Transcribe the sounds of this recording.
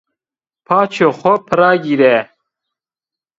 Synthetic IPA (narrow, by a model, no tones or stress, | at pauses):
pʰaːt͡ʃʰoxɔpʰɨɾaːɡiːɾɛ